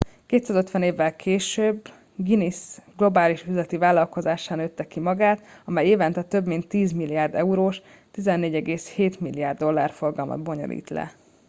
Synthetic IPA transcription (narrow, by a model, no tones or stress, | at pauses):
keːt̪saːzøt̪ʋɛneːvːɛlkʰeːʃøːbː | ɡinisɡlo̞baːliʃyzlɛt̪ivaːlːɒlko̞zaːʃaːnøːt̪ːɛkimɒɡaːt̪ɒmɛjeːvɛnt̪ɛt̪ø̞bmint̪ːiːzmilːijaːrd̪ɛuɾoːʃ | t̪izɛnːeːɟɛɡeːsheːt̪milːijaːrd̪ːo̞lːa̰ːrfo̞rɡɒlmɒ̰d̪bo̞ɲo̰lʔḭːt̪lɛ̰